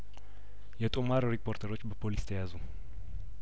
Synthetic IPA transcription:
jɛt̪ʼumaɾɾipʰo̞ɾt̪ʰəɾo̞t͡ʃːbəpʰolist̪ʰəjazu

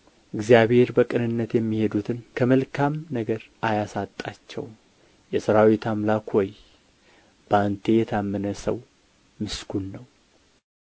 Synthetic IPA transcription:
ʔɨɡzijaβhe̞ɾbəkʼɨnɨnːət̪jɛmːihe̞d̪ut̪ʰɨnkʰəməlkʰamnəɡəɾʔajasat̪ʼːat͡ʃːɛ̰w | jɛsɨɾawit̪ʰamlakhoj | b̥ənt̪ʰe̞jɛt̪ʰamːənəsə̰w | mɨskʰunːəw

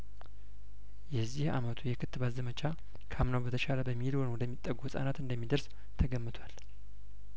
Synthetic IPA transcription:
jɛzːiha̰mət̪ʰujɛkʰɨt̪ːɨbazəmət͡ʃa | kʰamnəwbət̪ʰəʃaləbəmːihilwonwɔd̪əmːit̪ʼːəɡuhɨsʼa̰nat̪ɨnd̪əmːid̪əɾs | t̪ʰəɡəmːɨt̪ʰwal

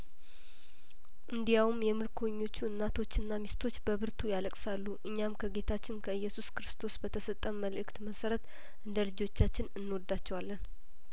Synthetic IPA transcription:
ʔɨnd̪ijawmjɛmɨɾkʰoɲːo̞t͡ʃːuɨnːat̪ʰo̞t͡ʃːɨnːamist̪ʰo̞t͡ʃːbəβɨɾt̪ʰujaləkʼsalːuʔɨɲːamkʰəɡe̞t̪ʰat͡ʃːɪnkʰəɨjːɛsuskɾɨst̪ʰo̞sbət̪ʰəsət̪ʼːəmmːəlʔɨkt̪məsəɾət̪ | ʔɨnd̪əlɨd͡ʒo̞t͡ʃːat͡ʃːɪnɨnːwɔd̪ːat͡ʃːɛwalːən

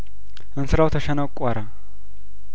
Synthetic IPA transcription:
ʔɨnsɨɾawt̪ʰɐʃɐnɐwkʼːaɾa

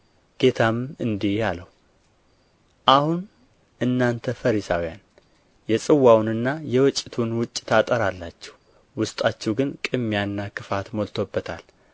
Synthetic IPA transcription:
ɡ̥e̞t̪ʰamɨnd̪ihjaləwu | ʔahun | ʔɨnːant̪ʰəfəɾisawjan | jɛsʼɨwːawnɨnːajɛwɔt͡ʃʼːɪt̪ʰunwʊt͡ʃʼːt̪ʰat̪ʼəɾalːat͡ʃːɛ̥h | wʊst̪ʼat͡ʃːɛwɡɨnkʼɨmːjanːakʰɨfat̪molt̪ʰobːət̪ʰal

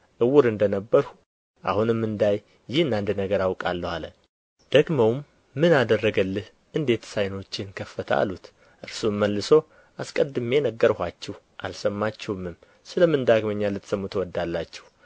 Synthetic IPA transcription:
ʔɨwʊɾɨnd̪ənəbːəɾhu | ʔa̰hunɨmːɨnd̪aj | jɪhɨnand̪nəɡəɾawkʼalːəhalə̰ | d̪̥əɡməwmː | ɨnad̪ərːəɡəlːɨh | ʔɨnd̪e̞t̪sajno̞t͡ʃːɪnkʰəfːət̪ʰa̰lut̪ | ʔɨɾsumːəlːɨsow | askʼəd̪ːɨme̞nəɡːəɾhʷat͡ʃːɛh | ʔa̰lsəmːat͡ʃːɛwmːɨm | sɨləmɨnd̪aɡməɲːalɨt̪ːsəmːut̪ʰwɔd̪ːalːat͡ʃːɛh

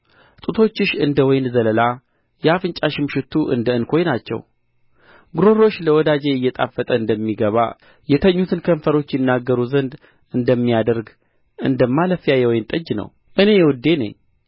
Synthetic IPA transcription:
t̪ʼut̪ʰo̞t͡ʃːɪʃɨnd̪əwɔjnzələla | jɛafɨnt͡ʃʼaʃɪmʃɪt̪ʰːuʔɨ̰nd̪əɨnkʰo̞jnat͡ʃːɛ̰w | ɡɾo̞ɾo̞ʃːləwɔd̪ad͡ʒeɨjːɛt̪ʼa̰fːət̪ʼəɨnd̪əmːiɡəβa̰ | jɛt̪ʰəɲːut̪ʰɨnkʰəmfəɾo̞t͡ʃːjɪnːaɡːəɾuzənd̪ | ʔɨnd̪əmːijad̪əɾɡ | ʔɨ̰nd̪əmːaləfijajɛwɔjnt̪ʼəd͡ʒnə̰w | ʔɨne̞jɛwɔd̪ːe̞nə̰ɲː

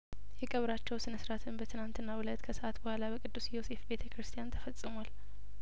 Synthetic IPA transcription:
jɛkʼəβɾat͡ʃːɛwsɨnəsɾat̪ʰɨnbət̪ʰɨnant̪ɨnːawʊlət̪kʰəsəʔat̪bəhʷalabəkʼɨd̪ːusjo̞se̞fbe̞t̪ʰəkɾɨst̪ʰijant̪ʰəfəsʼːɨmal

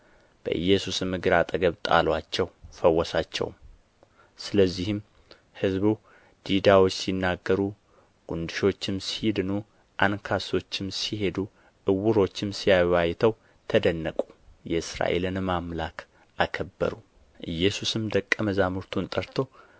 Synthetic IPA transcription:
b̥ə̰ʔɨ̰jːɛsusɨmɨɡɨɾat̪ʼəɡəβt̪ʼa̰lwat͡ʃːɛwfəwːɔsat͡ʃːɛ̰w | sɨləzːihɨm | hɨzbu | d̪̥id̪awo̞t͡ʃːsinːaɡːəɾu | ɡ̥und̪ɨʃo̞t͡ʃːɪmsihid̪ɨnu | ʔankʰaso̞t͡ʃːɪmsihe̞d̪u | ʔɨwːʊɾo̞t͡ʃːɪmsijawajt̪ʰəw | t̪ʰəd̪ənːəkʼu̥jɛɨsɾa̰ʔe̞̰lɨnmamlakʰ | ʔakʰəbːə̰ɾu | ʔɨjːɛsusɨmd̪əkʼːəməzamuɾt̪ʰunt̪ʼəɾt̪ʰo̞

